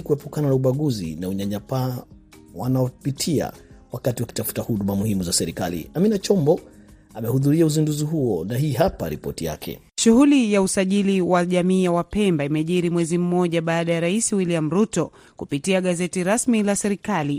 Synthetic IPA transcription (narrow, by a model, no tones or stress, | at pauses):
kuwɛpukananauɓaɠuzḭnauɲaɲapa | wanaɔpitʰia̰wakatiwaki̥tafu̥tahuɗumamuhimuzasɛɾika̰lḭaminat͡ʃɔmbɔ | amɛhuðuɾiauzinduziɦuɔnaɦiːɦapa̰ɾḭpɔ̰tija̰kʰɛ̰ | ʃuɦulijausaʄiliwaʄamiːjawapɛmbaimɛʄiɾimwɛzim̩ːɔʄaɓaːɗajaɾaisiwiliam̩ɾutɔ | kupitiaɠazɛtiɾasmilasɛɾikali